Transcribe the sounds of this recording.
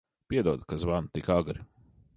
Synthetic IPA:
pʲiɛd̪uɔd̪kazvanut̪ikaɡɾi

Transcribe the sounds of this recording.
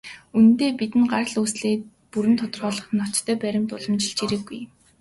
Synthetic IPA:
unt̪eːpit̪ɘ̆nɢarɮusɮeːt̪̚ | puɾɘ̆nt̪ʰʊt̪ɞ̆rʁɔːɮɞ̆χ̆nːɔt͡ɕt̪ʰːœːpæɾʲɪ̆mt̪ʊɮə̆mt͡ɕiɮt͡ɕiɾĕɡːuj

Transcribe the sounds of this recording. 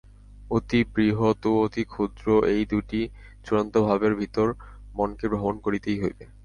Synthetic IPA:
ot̪ibɾiɦot̪oot̪ikʰud̪ɾoʔejd̪uʈi | t͡ɕuɾont̪obʱabeɾbʱit̪oɾ | monkebɾʱobonkoɾit̪ejɦojbe

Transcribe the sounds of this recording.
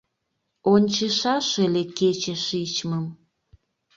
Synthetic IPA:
onʲt͡ɕeʃɑʃeleket͡ɕeʃit͡ɕməm

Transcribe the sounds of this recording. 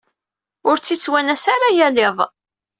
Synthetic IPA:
ʊɾt͡sːit͡sːwænæsaɾajælɪðˤ

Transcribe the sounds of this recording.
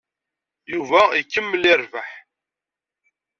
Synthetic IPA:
juvæikːəmːəlɪɾvaħ

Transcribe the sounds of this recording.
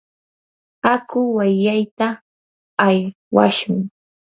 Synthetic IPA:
akʊwajːajt̪aː | j | wa̰ʃʊŋ

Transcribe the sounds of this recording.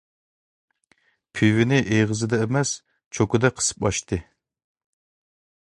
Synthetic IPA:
pʰywɪnɪʔeʁəzɨd̪ɛemɛs | t͡ʃʰokʊd̪ɛqʰə̥sɨ̥pɑʃt̪ɨ

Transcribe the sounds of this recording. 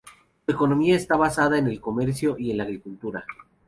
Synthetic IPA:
sue̞ko̞no̞miaest̪aβasaðaene̞lko̞me̞ɾs̬jo̞ʔie̞nlaːɣɾikult̪uɾa

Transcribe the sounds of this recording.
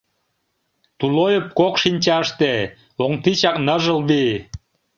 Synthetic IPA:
t̪ulojəp̚kokʃinʲt͡ɕɑʃt̪e | oŋt̪it͡ɕɑk̚nəʒə̆lbi

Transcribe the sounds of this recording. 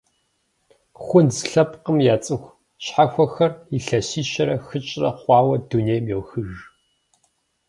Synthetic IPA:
χʷʊnzɬɐpʼqəmjaːt͡sʼɨxʷ | ɕħaxʷɔxɐriɬɐsiːʃɐɾɐxɨt͡ʃʼrɐqʷɑːwɐduneːjmjowxɨʒ

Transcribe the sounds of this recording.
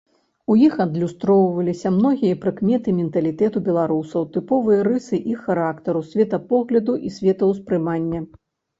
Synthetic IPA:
ujixɐd̪lʲust̪ɾɔwvɐlʲisʲɐmnɔɣʲijɐpɾɨkmʲɛt̪ɨmʲɛnt̪ɐlʲit̪ɛt̪ubʲɛlˠaɾusɐwt̪ɨpɔvɨjɐɾɨsɨʔixaɾakt̪ɐɾusʲvʲɛt̪ɐpɔɣlʲɐd̪uʔisʲvʲɛt̪ɐwspɾɨmanʲːɐ

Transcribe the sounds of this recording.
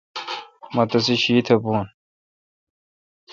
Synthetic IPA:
mɐt̪ɐs̬iɕiːt̪ʰɐpuːn

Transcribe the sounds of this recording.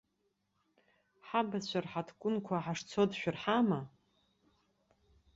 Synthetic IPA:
ħabat͡ɕʷʰarħatʰkʷʼʊnkʷʰaħaʂt͡sʰodʃᶣʊrħama

